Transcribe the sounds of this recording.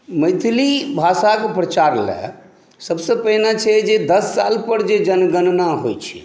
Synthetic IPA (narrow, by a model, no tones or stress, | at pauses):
məjt̪ʰlibʱasakepɾət͡ʃaɾlɛ̰ | səbsə̃pəɦnat͡ʃʰɛd͡ʒed̪əsːa̰lpəɾd͡ʒed͡ʒənɡənnaɦojt͡ʃʰi̥̰